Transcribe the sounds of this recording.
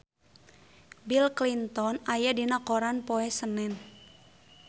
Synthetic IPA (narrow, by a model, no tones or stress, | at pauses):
bilklint̪ɔnajadinakoɾanpoɛsənɛn